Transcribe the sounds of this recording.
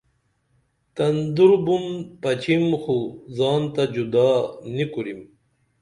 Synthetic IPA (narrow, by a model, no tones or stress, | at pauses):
t̪ɐnd̪uɾbunpɐt͡ɕʰimxuzɑːnt̪ad͡ʑud̪aːnikuɾim